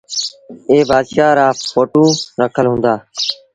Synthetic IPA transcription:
eːbaːd̪ʃaːɾaːfʰoːʈũːɾəkʰəlɦʊ̃ːnd̪aː

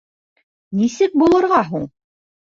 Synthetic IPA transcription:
nisɘk̚bulˠɤ̆ɾʁɑɦuɴ

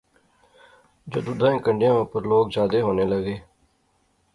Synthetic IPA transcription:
d͡ʒo̰ːd̪ʊd̪ʱãːẽːkəɳɖɪjãːʊpəɾloːkd͡ʒaːd̪eːɦoːneːləɡeː

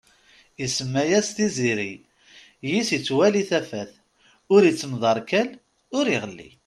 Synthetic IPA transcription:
isəmːæjæst̪iziɾi | jisit͡sːwæliθæfæθ | ʊɾit͡sːəmðˤɑɾˤkæl | ʊɾiʁəlːḭ

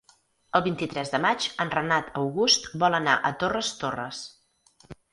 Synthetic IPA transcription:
əlˠβint̪it̪ɾɛzðəmad͡ʒənrənat̪ʰəwɣust̪bɔlənaʔət̪orəst̪orə̰s

